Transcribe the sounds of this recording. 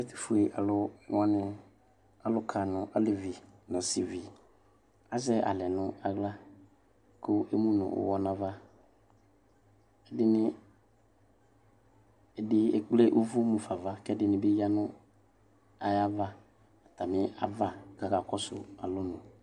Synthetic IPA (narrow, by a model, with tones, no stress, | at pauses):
ɛ˦tɪ̥˨fu˨e˨ʔa˨lʊ˦ŋã˦nɪ̃˦ | a˨lʊ˦kʰa˨nʊ̃˨ʔa˦lɪ˦˨vɪ˨nã˨si˨vi˨ | a˨zɛ˦ʔa̰˨lɛ˨nʊ̃˦a˨ɣla˦ | kʊ˦ʔe˦mũ˦nʊ̰̃˨ʔʊ̰˨wɔ˦nã˨va˦ | ɛ˦dɪ˦nɪ̃˦ | ɛ˨dɪ˦e˦k͡ple˦ʔo˦vu˦mũ˨fa˨va˦kɛ˦dɪ˦nɪ̃˨bɪ˦ja˦nʊ̃˦ | a˨ja˦va˦ | a˨ta˨mɪ˦a˨va˦ka˨ka˨kɔ˦sʊ̰˨a̰˨lʊ˦nʊ̃˨